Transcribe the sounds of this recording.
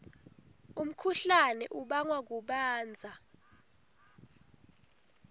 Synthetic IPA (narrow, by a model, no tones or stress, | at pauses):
um̩kʰuɬanɛʔuɓaŋwak̬uɓaːnd͡zʱa